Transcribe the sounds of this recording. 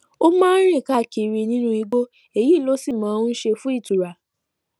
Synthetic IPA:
o˦mã˦ɾ̃ĩ˦˨ka˦˨ki˧˨ɾi˧nĩ˦nũ˦˧i˧ɡ͡bo˦ | e˨ji˦˨lo˨˦si˦˨mã˨˦˧ũ˦n̩˦ʃe˧fũ˦i˦˨tu˨ɾa˨

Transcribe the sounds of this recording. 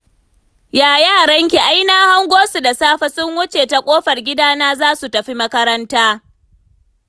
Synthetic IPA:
jaː˨jaː˦˨ɽɐ˦ŋkʲi˨ʔa˦jnaː˦ha˦ŋɡʷoː˦su˨da˨saː˦ɸa˦sʊ˦ŋwʊ˦t͡ʃeː˨ta˨kʷʼoː˦ɸɐ˨rɡʲɪ˦daː˦naː˦zaː˦su˨tɐ˨ɸi˦mɐ˦kɐ˦ɾɐ˦ntaː˦

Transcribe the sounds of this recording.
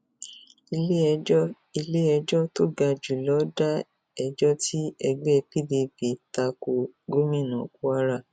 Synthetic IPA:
i˧le˦˧˦ | i˧le˦ɛ˧d͡ʒɔ˦to˦ɡa˧d͡ʒu˨lɔ˨˦da˦ | ɛ˧d͡ʒɔ˦ti˦ɛ˧ɡ͡bɛ˦˧pi˦de˧pi˨ta˧ko˨ɡo˦mĩ˦˨nã˨ku˦a˦ɾa˦˨

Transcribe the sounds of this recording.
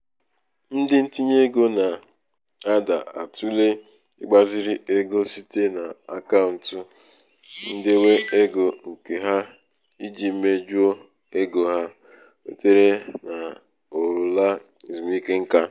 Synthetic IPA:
n̩˦dɪ˦n̩˦ti˦ɲe˦ɡo˦na˨ | a˦da˨a̰˨tu˦le˦ | ɪ̰˦ɡ͡ba˦zɪ˦ɾɪ˦ʔe˦ɡo˦si˦te˦na˨a̰˨ka˦ʊ˨n̩˨tʊ˨ | n̩˦dɪ˦we˦e˦ɡo˨ŋ̩˨ke˨ɦa˦ | i˦d͡ʒi˨m̩˦me˦d͡ʒu˦o˦ | e˦ɡo˨ɦa˦ | ḛ˨te˦ɾe˦na˨ | o˨ɾu˨la˦ | i˨zu˨m˦i˦ke˦ŋ̩˦ka˦

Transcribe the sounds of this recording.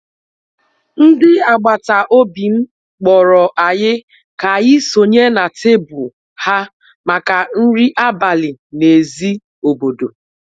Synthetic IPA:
n̩˦dɪ˦a˨ɡ͡ba˨ta˨ʔo˦bi˨ŋ͡m̩˦ | k͡pɔ˨ɾɔ˨ʔa˨ɲɪ˦ | ka˨jɪ˦so˨ɲe˦na˨te˦bu˨ | ha˦ | ma˨ka˨n̩˦ɾi˦ʔa˦ba˨lɪ˨ne˨zi˦ | o˨bo˨do˨

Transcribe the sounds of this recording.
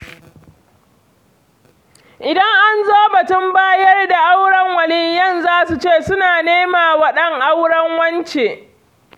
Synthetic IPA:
ʔɪ˨dɐ˦ŋʔa˦nzoː˦bɐ˨tʊ˦mbaː˦jɐ˦rda˨ʔa˦wɽɐ˦ŋwɐ˨lɪ˦ɲjɐ˦˨nzaː˦su˨t͡ʃeː˦˨sʊ˦naː˨neː˦maː˨wɐ˦ɗɐ˦ŋʔa˦wɽɐ˦ŋwɐ˦nt͡ʃe˨

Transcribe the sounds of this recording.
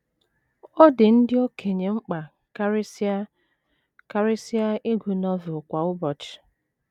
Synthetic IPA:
o˦dɪ˨n̩˦dɪ˦o˦kʰe˨ɲe˨ŋ͡m̩˦k͡pa˨˦ | ka˦ɾɪ˦si˦a˦i˦ɡu˨nɔ˦vʊ˨kʷa˨ʊ˦bɔ˨t͡ʃ

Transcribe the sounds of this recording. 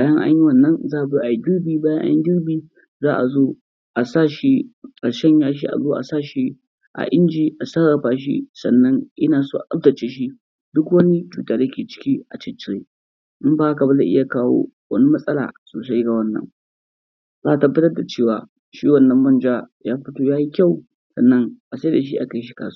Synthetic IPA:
baː˦jɐ˦ŋʔa̰˦ɲji˦wɐ˨nːɐ˦nzaː˦ʔa˨bi˦ʔa˨ji˦ɡɪ˦rbiː˦baː˦jɐ˦ʔa̰˦jɪ˦ɡʲɪ˦ɾbiː˦ | zaː˦ʔa̰˨zoː˦ | ʔa˨saː˦˨ʃi˦ka˨ʃɛ˦ɲjaː˦ʃ̬ḭ˦ʔa̰˨zoː˦ʔa̰˨saː˦ʃi˦ | ʔa̰˨ʔɪ˦nd͡ʒiː˨ʔa˨saː˦ɽɐ˨ɸaː˦ʃ̬ḭ˦sɐ̰˨nːɐ˦ŋʔɪ˦naː˨suː˦ʔa˨ʔʼɐ˦b̚dɐ˨t͡ʃeː˨˦ʃ̬i˦ | dʊ˦kwɐ˦ni˦t͡ʃuː˨taː˨da˦kʲeː˨t͡ʃɪ̥˦kʲi˦ʔa˨t͡ʃɪ˦t͡ʃɪ˦˨ɾe˦ | ʔʊ˦mbaː˦a˦kɐ˨bɐ˦da˨ʔɪ˦ja˨kaː˦wo̰ː˦wɐ˦ni˦mɐ˦sʼɐ˦la̰ː˨soː˨sa˦jɡa˨wɐ˦nːɐ̰˨ŋ | zaː˦ʔa˨tɐ˨bːɐ˦tɐ˦rda˨t͡ʃeː˦˨waː˨ | ʃiː˦wɐ˦nːɐ˦mbɐ˦nd͡ʒaː˦jaː˦ɸʊ˦toː˦jaː˦ji˦kʲa˦˨w | sɐ̰˨nːɐ˦ŋʔa˨sa˦jda˨ʃ̬i˦ʔa˨ka˨jʃ̬i̥˦ka̰ː˨s

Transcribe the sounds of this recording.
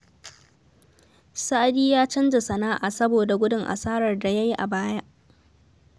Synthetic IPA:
sa˦ʔa˦diː˦jaː˦t͡ʃɐ˦nd͡ʒe˨sɐ˨naː˦ʔa̰˨sɐ˦boː˨da˨ɡʷʊ˦dʊ˦ŋʔa̰˨saː˦ɽɐ˨rda˨ja˦ji˦ʔa˨baː˦ja˦ʔ

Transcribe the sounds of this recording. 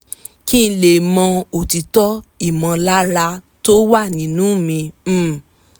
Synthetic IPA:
kĩ˦˧le˨mɔ̃˧o˨ti˧tɔ˦i˨mã˧la˦ɾa˧ | to˦wa˦˨nĩ˨˦nũː˨˦mĩ˧˦

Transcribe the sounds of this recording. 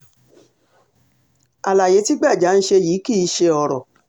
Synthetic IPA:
a˨la˨je˨˦ti˦ɡ͡ba˦˨d͡ʒa˨˦n̩˦ʃe˧jiː˨˦ki˦˨i˧˦ʃe˧ɔ˧˨ɾɔ̰˨

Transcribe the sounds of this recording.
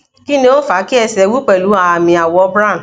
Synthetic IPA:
ki˦nĩ˧o˦fa˨˦ki˦ɛ˧sɛ˧˦wu˦k͡pɛ˦˨lu˨˦a˨a˨mĩ˧a˨wɔ˧˦bɾã˦˨n˨

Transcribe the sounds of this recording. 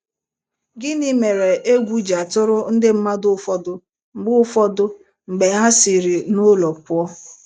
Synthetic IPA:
ɡɪ˦nɪ˦me˨ɾe˨ʔe˦ɡʷu˦d͡ʒa˨tʊ˦ɾʊ˦n̩˦dɪ˦m̩˦ma˦dʊ˦fɔ˦dʊ˦ | ŋ͡m̩˨ɡ͡bʊ˦fɔ˦dʊ˦ | ŋ͡m̩˨ɡ͡be˨ɦa˦si˨ɾi˨nʊ˦lɔ˨pʊ˨˦ɔ˦

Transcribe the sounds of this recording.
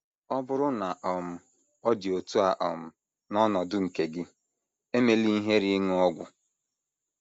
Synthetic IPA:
ɔ˦bʊ˦ɾʊ˦na˨ʔɔ˨m̩˨˦ | ɔ˦dɪ˨o˨tu˦a˨ʔɔ̰˨m̩˨ | nɔ˦nɔ˨dʊ˦ŋ̩˨ke˨ɡɪ˦ | e˦me˨li˦i˦ɦe˦ɾɪ˦ŋ˦ɔ˦ɡʷʊ̰˨

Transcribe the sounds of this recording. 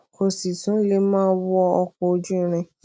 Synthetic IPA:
ko˨si˨tũ˨˦le˦mãː˦wɔ˦˧ɔ˧kɔ˨o˧d͡ʒũ˦ĩ˦˧˨ɾ̃ĩ˧

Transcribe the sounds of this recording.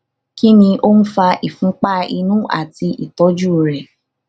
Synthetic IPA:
ki˦nĩ˧ʔo˦n̩˦fa˧ʔi˨fũ˨˦k͡pa˦i˧nũ˦ʔa̰˨ti˧ʔi˨tɔ˨˦d͡ʒu˦˨ɾɛ˨

